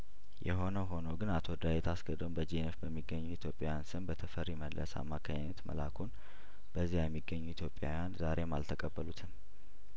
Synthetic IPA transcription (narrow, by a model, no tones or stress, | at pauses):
jɛɦo̞nəɦo̞nəwɡɨnat̪ʰo̞d̪ajet̪ʰasɡəd̪ombəd͡ʒenefbəmːiɡːəɲːuit̪ʰjo̞pʼːjajansɨmbət̪ʰəfəɾiməd̪lʔə̰sa̰mːakʰaɲɛt̪mə̰lakʰun | b̥əzːijajɛmːiɡːəɲːuit̪jo̞pʼja̰wjanzaɾʔe̞ma̰lt̪ʰəkʼəbːəlut̪ʰɨm